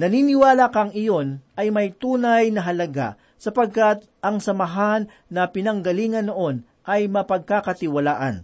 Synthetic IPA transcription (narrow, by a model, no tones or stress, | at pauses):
nɐniːnɪwaːlakɐŋɪjo̞nʔɐjmɐjt̪uːnɐjnɐɦɐlɐɡa̰ | sɐpɐɡ̚kat̪̚ʔɐŋsɐmɐɦanːɐpɪnɐŋɡɐliːŋɐnːoʔo̞n | ʔɐjmɐpɐɡ̚kakɐt̪ɪwɐlaːʔɐ̰n